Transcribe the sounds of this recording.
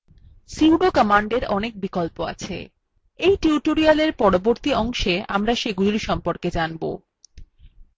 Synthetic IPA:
siwɖokəmaɳɖeɾɔnek̚bikolpoa̰t͡ɕʰḛ | ejʈiuʈoɾialeɾpɔɽoboɾt̪iɔŋʃeamɾaʃeɡulliʃɔmpoɾked͡ʑanbo̰

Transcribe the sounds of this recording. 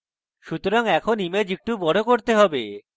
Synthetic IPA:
ʃut̪oɾaŋɛkʰonimed͡ʑek̚ʈubɔɽokoɾt̪eɦɔbe

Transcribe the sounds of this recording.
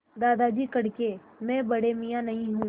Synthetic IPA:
d̪aːd̪ad͡ʒiːkɐɽke | mɛ̃ːbɐɽemijanɐɦĩɦũː

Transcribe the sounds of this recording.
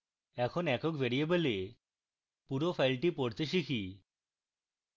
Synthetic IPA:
ɛkʰonɛkokbeɾiebele | puɾopʰajlʈipoɽt̪eʃ̬ikʰi

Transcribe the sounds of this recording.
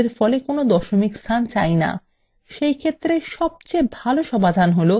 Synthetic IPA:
eɾfɔlekonod̪ɔʃomikst̪ʰant͡ɕajna̰ | ʃejkʰet̪ːɾeʃɔb̚t͡ɕebʱaloʃɔmad̪ʱanɦolo

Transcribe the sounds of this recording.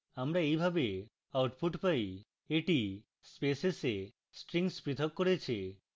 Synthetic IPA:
amɾaejbʱabe | awʈpʰuʈpaj | eʈi | spesese | sʈɾiŋspɾit̪ʰɔkːoɾet͡ɕʰi

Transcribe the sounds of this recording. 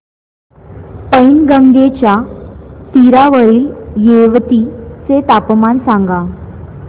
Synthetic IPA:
pəjnɡəŋɡet͡ɕja | t̪iɾaʋəɭiːljeʋt̪it͡set̪apmansãŋɡa

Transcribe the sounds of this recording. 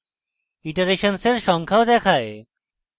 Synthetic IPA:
iʈaɾeʃonseɾʃɔŋkʰaod̪ɛkʰae

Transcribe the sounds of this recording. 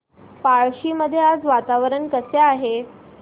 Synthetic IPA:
paɭɕiːməd̪ʱːjead͡zʋat̪aʋəɾəɳkəseaɦe

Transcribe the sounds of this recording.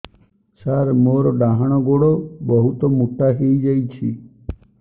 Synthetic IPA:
saɾmoɾɔɖaɦaɽ̃ɔɡoɽobɔɦut̪omuʈ̪aɦeid͡ʒajt͡ʃʰḭ

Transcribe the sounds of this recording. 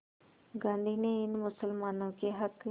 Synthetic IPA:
ɡãːnd̪iːneːɪnmʊsəlmaːnõːkeːɦək

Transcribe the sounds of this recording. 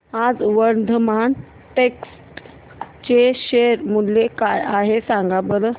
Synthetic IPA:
ad͡zʋəɾd̪ʱəman | ʈeksʈ | t͡ɕeɕeɾmulːekajaɦesãŋɡabəɾə

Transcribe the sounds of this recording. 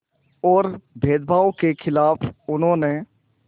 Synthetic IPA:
ɔːɾbʱeːd̪bʱaːokekʰɪlaːpʊnɦõːne

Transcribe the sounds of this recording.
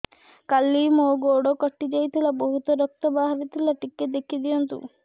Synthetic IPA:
kalimoɡoɽokɔʈːid͡ʒajt̪ʰilabɔɦut̪ɔɾɔk̚t̪ɔbaɦaɾit̪ʰilaʈikːed̪ekʰid̪ijɔnt̪ṵ

